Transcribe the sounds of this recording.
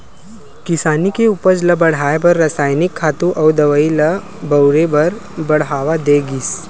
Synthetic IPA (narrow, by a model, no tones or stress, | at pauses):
kɪsaːnikeupəɾd͡ʒlɐbɐɽ̤ɦaːebɐɾːəsaːjnɪkʰːaːt̪ũʔɔːd̪ɐʋailə | bɐwɾebɐɾbɐɽɦaːʋad̪eːɡiːs